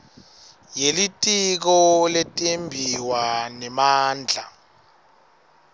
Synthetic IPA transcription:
jelitʼik̬ɔletʼembʱiwanɛmaːnd͡ɮʱa

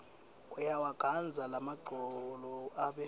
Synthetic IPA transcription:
ɔjawaɡ̥ʱand͡zʱalamaɡ͡ǀʱɔlɔaɓɛ

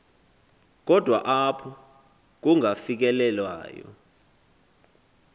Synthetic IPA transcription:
k̬ɔd̥ʱwa̰ʔapʰɔ | k̬uŋafik̬ɛlɛlwa̰ːjɔ̰

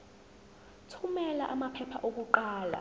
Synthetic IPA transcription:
tʰumɛlaʔamapʰɛpʰa̰ʔok̬uǃaːla̰

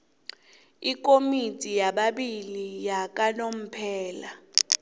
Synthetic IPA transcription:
ik̬ʼomitʼijaɓaɓilijak̬ʼanom̩pʰɛːla

